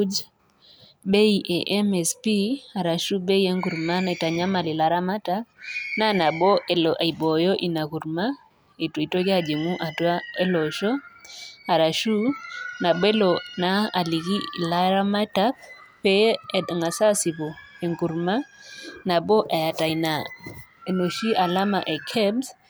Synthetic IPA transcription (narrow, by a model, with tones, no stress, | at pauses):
d͡ʒ | be˦i˨ʔe˨ʔɛ˦mɛ˨spi˦a˨ɾa˨ʃu˦be˦i˦e˦ŋɡu˨ɾma˦ne˨ta˨ɲa˦ma˨lɪ˨la˨ɾa˦ma˦ta˦p̚na˦na˨bɔ˦e˨lʔi˨bɔ˨jɔ˦ʔi˨na˨ku˨ɾma˦ | e˨ti˨to˦ɡa˦d͡ʒi˨ŋu˦ʔa˨twa˦e˦lɔ˨ʃɔ˦ | a˨ɾa˨ʃu˦na˨be˦lo˨na˦a˨li˨ki˦˨la˦ɾa˦ma˦ta˦p̚ | pe˦ɛ˨dŋa˨sa˦si˨bo˨ | e˨ŋɡu˨ɾma˦na˨bɔ˦ʔa˨ja˨ta˨i˨na˨e˨no˨ʃi˦ʔa˨la˦ma˨ʔe˨kʰɛ˦bs